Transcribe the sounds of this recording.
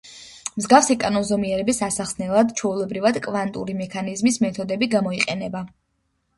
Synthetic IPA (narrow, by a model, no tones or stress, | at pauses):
mzɡafsikʼanɔnzɔmiɛɾɛbisasaχsnɛlˠad̪t͡ʃʰɔulˠɛbɾivad̪kʼvant̪ʼṵɾimɛkʰanizmismɛt̪ʰɔd̪ɛbiɡamɔiqʼɛnɛba